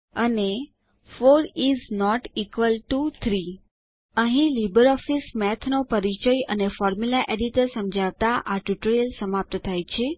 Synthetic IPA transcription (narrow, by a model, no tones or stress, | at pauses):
əne | foɾiznɔʈikʋəlʈut̪ʰɾi | əɦĩlibəɾɔfismɛt̪ʰnopəɾit͡ʃəjənefɔɾmulaʔeɖiʈəɾsəmd͡ʒʱaʋt̪aʔaʈjuʈəɾijəlsəmap̚t̪ət̪ʰajt͡ʃʰe